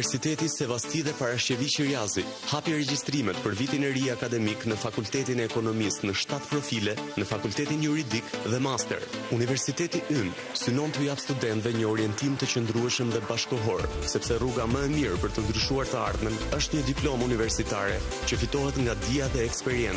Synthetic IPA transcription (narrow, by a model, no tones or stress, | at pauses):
sit̪ɛt̪isɛvast̪iðɛpaɾaʃt͡ʃəvit͡ʃiɾiazi | hapiɾɛɟist̪ɾimɛt̪pəɾvit̪inɛɾiakad̪ɛmiknəfakult̪ɛt̪inɛːkɔnɔmist̪nəʃt̪at̪pɾɔfilɛnəfakult̪ɛt̪injuɾid̪ikðɛmast̪ɛ̰ɾunivɛɾsit̪ɛt̪iʔyn | synɔnt̪əjapst̪ud̪ɛnt̪vɛɲəɔɾijɛnt̪imt̪ət͡ɕənd̪ɾuɛʃəmðɛbaʃkɔɦɔɾsɛpsɛruɡaməɛmiɾpəɾt̪ənd̪ɾyʃuaɾt̪əaɾðmənəʃt̪ɲəd̪iplɔmunivɛɾsit̪aɾɛ̰ | t͡ɕəfit̪ɔɦɛt̪ŋɡad̪iaðɛːkspɛɾiɛn